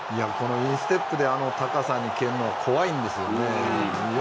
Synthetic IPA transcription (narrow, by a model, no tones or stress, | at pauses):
iako̞no̞ĩɰ̃sɨ̥t̪e̞pːɯ̟d̪e̞ano̞t̪akasãɲ̟ːikẽ̞nːoβakʰo̞βaĩnd̪e̞sɨjone